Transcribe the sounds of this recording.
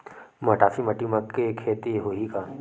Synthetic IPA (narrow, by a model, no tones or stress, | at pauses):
məʈaːfimɐʈimakːekʰːeːt̪iɦoːɦikaː